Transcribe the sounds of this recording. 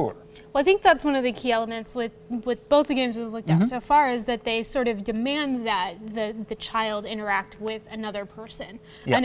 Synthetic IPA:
wɛlˠaɪθɪ̃ŋk̚ðætswʌ̃nʌvðɨkʰiɛlˠəmɨ̃ntswɪ | wɪðb̥oʊθðɨɡẽɪ̃mzwɨvlʊk̚taʊtsoʊfɑɹɨzðɨt̪̚ðeɪsɔɹɾʌvdɨmæ̃nðɨt̪̚ðɨðɨt͡ʃʰaɪlˠdɪ̃ɾ̃ə˞æk̚t̚wɪðɨnʌðə˞pʰɜ˞sɨ̃n | ɨ̃n

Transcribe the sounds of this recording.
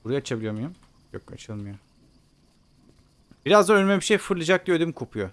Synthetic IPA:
buɾuajat͡ʃʰabilʲijo̞mujum | jo̰ka̰t͡ʃʰɯlˠmɯjo | b̥iɾazd̪anønmebiʃejfɯɾlˠɯd͡ʒak̚d̪ijød̪ikʰopʰujo

